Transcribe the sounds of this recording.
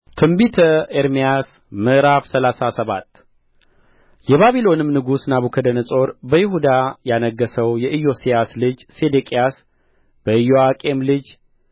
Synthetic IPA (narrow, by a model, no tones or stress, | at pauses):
t̪ʰɨmbit̪ʰəeɾmijas | mɨʔɾafsəlasasəβat̪ː | jɛβaβilo̞nɨmnɨɡusnaβukʰəd̪ənəsʼo̞ɾbəjɪɦud̪ajanəɡːəsəwjɛʔɨjo̞sijaslɨd͡ʒse̞d̪ekʼijas | b̥əɨjoakʼe̞mlɨd͡ʒ